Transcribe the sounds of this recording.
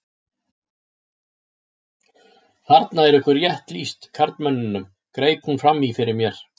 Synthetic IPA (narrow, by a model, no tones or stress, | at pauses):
θaɾt̪naɛɾʏhkvʏɾjɛht̪list̪kʰaɾt̪mœnːʏnːʏm | kɾeːjphunfɾamːifɪɾɪɾmjɛɾ̥